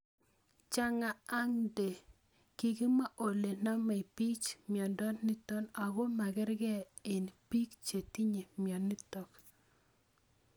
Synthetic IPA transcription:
t͡ʃa˦ŋaː˨˦ŋde˨ | ki˨ki˦ma˦ʔo˨le˨na˦ma˨i˨pi˦t͡ʃmjɔ˨ndɔ˦nːɪ˦tɔ˦na˨ɡɔ˦ma˨ɡɛ˦ɾɡɛ˦ | e˨npi˦kt͡ʃe˨ti˦ɲe˨mjɔ˨nɪ˦tɔ˨k

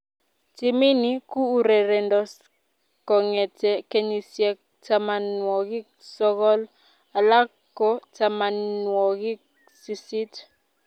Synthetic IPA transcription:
ti˨mi˦ni˦kuː˦˨ɾe˨ɾɛ˨ndɔ˨s | kɔ˨ŋɛ˨tɛ˨ke˦ɲi˨sjɛ˦k̚ | ta˨ma˨nwɔ˨ɡɪ˦ | sɔ˦kɔ˦l | a˨la˦kkːɔ˨ta˨ma˨nwɔ˨ɡɪ˦ | su˨si˦t

